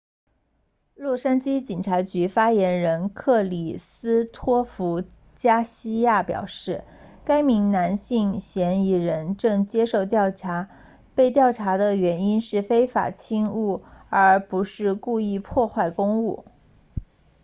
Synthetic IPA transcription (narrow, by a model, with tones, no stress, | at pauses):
lwɔ˥˩ʂa˥nt͡ɕi˥t͡ɕi˨˩ŋʈ͡ʂʰa˧˥t͡ɕy˧˥fa˥jɛ˧˥nɻə˧˥nkʰɤ˥˩li˨˩sɹ̩˥t̪ʰwɔ˥fu˧˥ | t͡ɕja˥ɕi˥ja˥˩pjɑ̰˨˩ʊʂɻ̩˥˩ | ka˥ɪmi˧˥ŋna˧˥nɕi˥˩ŋɕjɛ˧˥ni˥˩ɻə˧˥nʈ͡ʂɤ˥˩ŋt͡ɕjɛ˥ʂo˥˩˧ʊt̪jɑ˥˩ʊʈ͡ʂʰa˧˥ | pe˥˧ɪt̪jɑ˥˩ʊʈ͡ʂʰa˧˥d̪ə˧ɥɛ˧˥ni˥nʂɻ̩˥˩fe˥ɪfa̰˨˩t͡ɕʰi˥ŋu˥˩ə˞˧˥pu˧˥ʂɻ̩˥˧ku˥˧i˥˧pʰwɔ˥˧xwa˥˩ɪkʊ˥ŋu˥˩